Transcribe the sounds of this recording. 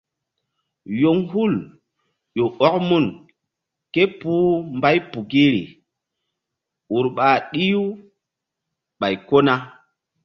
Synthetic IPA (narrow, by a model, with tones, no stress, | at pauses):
jo˦ŋhu˦˨l | jo˨ʔɔ˦kmu˦˨n | ke˦puː˦mba˦jpu˨ɡi˦ɾḭ˨ | u˨ɾɓa˨ɗi˦ju˦ | ɓa˨jko˦na˦